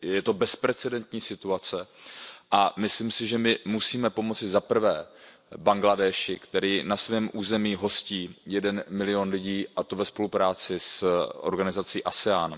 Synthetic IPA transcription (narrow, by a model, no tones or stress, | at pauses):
jɛt̪o̞bɛspɾɛt͡sɛdɛnt̪ɲiːsɪt̪uat͡sɛʔamɪslimsɪʒɛmɪmusiːmɛpomo̞t͡sɪzapr̩vɛːbaŋɡladɛːʃɪkt̪ɛɾiːnasvɛːmʔuːzɛmiːɦo̞sciːjɛdɛnmɪlɪo̞nlɪɟiːʔat̪o̞vɛspo̞lupɾaːt͡sɪsʔo̞̰ɾɡanɪzat͡siːʔasɛaːn